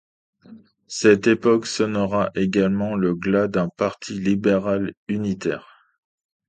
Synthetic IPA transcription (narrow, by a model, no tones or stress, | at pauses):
sɛt̪epɔksɔnʁaʔeɡalmɑ̃ləɡlad̪ɛ̃paʁt̪ʰilibeʁalynit̪ɛ̰ːʁ